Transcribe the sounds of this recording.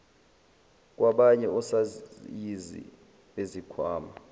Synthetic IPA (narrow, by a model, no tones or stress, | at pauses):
k̬ʼwaɓaɲɛɔsajizḭ | ɓezikʰwaːma